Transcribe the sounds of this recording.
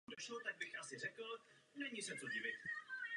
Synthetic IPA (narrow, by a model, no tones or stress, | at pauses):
doʃlot̪aɡ̚bɪxʔasɪrɛkl̩nɛɲisɛt͡soɟɪvɪt̪